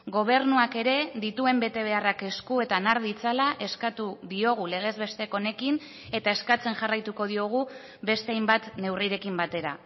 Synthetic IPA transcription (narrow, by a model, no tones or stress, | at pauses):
ɡo̞β̞e̞ɾnuake̞ɾe̞ðit̪ue̞mbe̞t̪e̞β̞e̞arake̞skue̞t̪anaɾðit͡salaʔe̞skat̪uðio̞ɣ̞ule̞ɣ̞e̞zβe̞st̪e̞ko̞ne̞kin | e̞t̪ae̞skat͡se̞nʝarajt̪uko̞ðio̞ɣ̞u | βe̞st̪e̞ajmbat̪ne̞wriɾe̞kimbat̪e̞ɾa̰